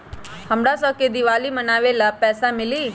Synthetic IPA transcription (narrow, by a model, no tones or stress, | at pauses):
həmɽasəked̪ɪʋaːlimənaːʋelapɛːsamɪliː